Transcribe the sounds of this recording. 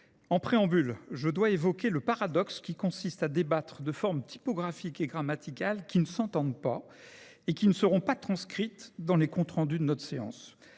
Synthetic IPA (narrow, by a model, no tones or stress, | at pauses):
ɑ̃pχeɑ̃bylʒəd̪waevɔkʲeləpaʁad̪ɔkskʲikɔ̃sist̪ad̪ebat̪χəd̪əfɔʁmt̪ʰi̥pɔɡʁafikeɡʁamat̪ikalkʲinəsɑ̃t̪ɑ̃d̪pa | ekʲinəsəʁɔ̃pat̪χɑ̃skχit̪d̪ɑ̃lekɔ̃t̪χɑ̃d̪yd̪ənɔt̪χseɑ̰̃s